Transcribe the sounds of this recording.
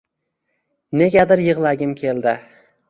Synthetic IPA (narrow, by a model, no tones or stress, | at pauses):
neɡʲad̪ɪɾjɨʁlˠaɡʲɪmkʲʰe̞ld̪ɪ